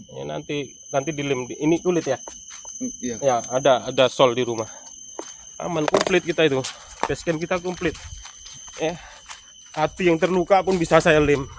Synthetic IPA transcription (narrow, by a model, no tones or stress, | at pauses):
ja̰na̰nt̪i | nant̪idilɪmdiʔːnit̪ulɪt̪̚ja | jaːdaːdasɔldiɾumah | a̰mankɔmplɪt̪̚kit̪ait̪u | bɛskɛmkit̪akɔmplɪt̪̚ | ja | at̪ijaŋt̪ərlukapʊnbisasajalɪm